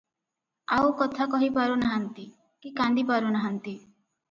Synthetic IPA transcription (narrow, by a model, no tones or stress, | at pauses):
awkɔt̪ʰakɔɦipaɾunaɦant̪i | kikand̪ip̬aɾunaɦant̪i